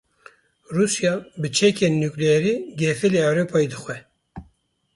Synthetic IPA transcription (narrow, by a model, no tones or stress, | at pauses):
ruːsjɑbɨt͡ʃʰɛkʰeːnːuklɛɛɾiːɡɛfɨleɛwɾopʰɑːid̪ɨxwɛ